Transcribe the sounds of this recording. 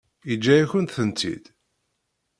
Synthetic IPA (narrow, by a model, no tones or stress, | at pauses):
id͡ʒːæjæçənt̪θənt̪ːḭd̪̥